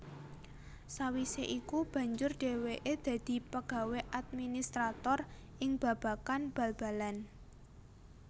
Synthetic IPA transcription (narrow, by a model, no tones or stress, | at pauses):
sawiseʔikub̥ä̤ɲd͡ʒʊrɖ̥e̤weʔed̪̥ä̤d̪̥i̤pəɡ̥a̤weʔad̪̚minist̪ɾat̪ɔrʔɪŋb̥a̤b̥a̤kanb̥a̤lb̥a̤lan